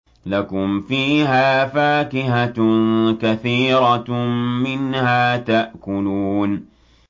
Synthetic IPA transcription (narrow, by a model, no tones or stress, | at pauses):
lakʊmfiːhaːfaːkɪha | kaθiːɾɑmɪnhaːt̪aʔkʊluːn